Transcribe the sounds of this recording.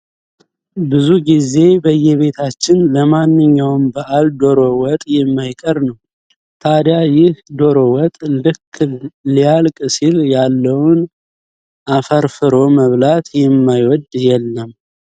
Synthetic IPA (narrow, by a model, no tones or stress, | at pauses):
bɨzuɡize̞bəjɛβe̞t̪ʰat͡ʃːɪnləmanːɨɲːawmbəʔald̪o̞ɾo̞wɔt̪ʼjɛmːajkʼəɾnəw | t̪ʰad̪jajɪhd̪o̞ɾowɔt̪ʼlɨkːlijalkʼsiljalːəwn | ʔafəɾfɨɾo̞məβlat̪jɛmːajwɔd̪jɛlːəm